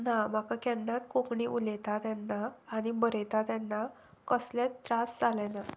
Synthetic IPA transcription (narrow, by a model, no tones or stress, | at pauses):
nam̤akakɛnːat̪kokɳiːʔulɛt̪at̪janːaːɽ̃ibəɾɛt̪at̪janːa | kəsljatt̪ːɾasd͡zalɛna